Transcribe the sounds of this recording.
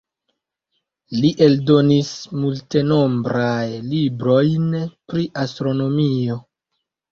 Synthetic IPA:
liʔe̞ldo̞nismulte̞no̞mbɾajlibɾo̞jnpɾiʔastɾo̞no̞mio̞

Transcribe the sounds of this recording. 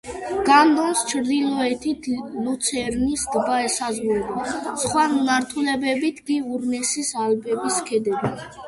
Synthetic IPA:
ɡ̥and̪ɔnst͡ʃʰɾd̪ilɔɛt̪ʰit̪ʰlut̪sʰɛɾnisd̪baɛsazʁuɾbasχwanaɾt̪ʰulɛbɛbit̪ʰɡiuɾnɛsisalbɛbiskʰɛd̪ɛbi

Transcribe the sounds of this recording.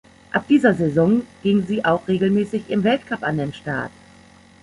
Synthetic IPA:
ʔap̚d̥iːzɐzezɔŋɡ̥ɪŋziːʔaʊxʁ̥eːɡl̩mɛːsɪçɪmvɛltkʰapandeːnʃtaɐt

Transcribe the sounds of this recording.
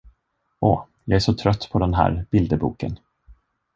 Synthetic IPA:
ʔɔ | jɑːɡæʂɔt̪ʰɾœt̪ːpʰɔd̪ɛnɦæ̰ːɾb̥ɪld̪əbuːkə̰n

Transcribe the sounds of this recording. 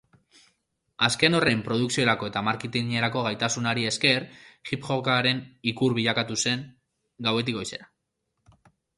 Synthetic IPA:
aske̞no̞re̞mpɾo̞ð̞uksio̞ɾako̞e̞t̪amaɾkit̪iŋɲeɾako̞ɣ̞ajt̪asunaɾie̞ske̞ɾʝipʝo̞kaɾe̞nikuɾβiʎakat̪use̞ŋ | ɡawe̞t̪iko̞jse̞ɾa

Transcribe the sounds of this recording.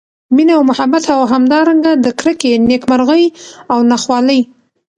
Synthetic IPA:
minawmʊhabat̪hawaɦamd̪ɑɾaŋɡad̪əkɾəkenekmaɾɣəjawnaxwɑləj

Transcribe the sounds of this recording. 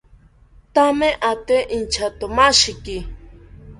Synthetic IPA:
t̪ameʔat̪eʔint͡ʃʰat̪omaʃiki

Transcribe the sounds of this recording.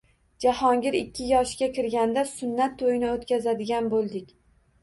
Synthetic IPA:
d͡ʒahɒŋɡʲɪɾɪkʲːɪjɒʃɡʲakʲɪɾɡʲand̪asʊnːat̪ʰːojɪnɪot̪kʲazad̪ɪɡʲanbolˠd̪ɪkʲ

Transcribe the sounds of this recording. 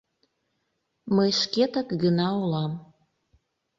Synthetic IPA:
məjʃket̪əkɡənɑulɑm

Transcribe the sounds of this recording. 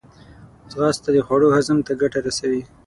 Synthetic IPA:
ɣɑst̪ad̪əxwaɽohazəmt̪aɡaʈaɾasawi

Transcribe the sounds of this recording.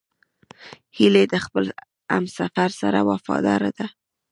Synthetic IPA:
hiled̪əxpəl | a̰msafaɾsaɾawafɑ̰d̪ɑɾad̪a

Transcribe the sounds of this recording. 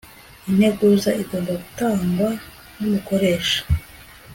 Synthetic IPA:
in̥he̞ɡuzaiɡoːmbaɡutaːŋɡwa | numuko̞ɾe̞ːʃḁ

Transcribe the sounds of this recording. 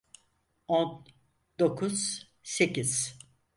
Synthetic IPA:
on | d̪o̞kʰuz̥ | se̞ciz̥

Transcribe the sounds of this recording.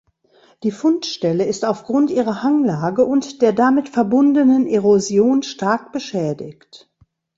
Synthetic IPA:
d̥iːfʊntʃtɛləɪstaʊfɡ̥ʁʊntʔiːʁ̞ɐhaŋlaːɡəʔʊntd̥eːɐdamɪtfɛɐbʊndənənʔeʁozjoːnʃtaɐk̚b̥əʃɛːdɪçt

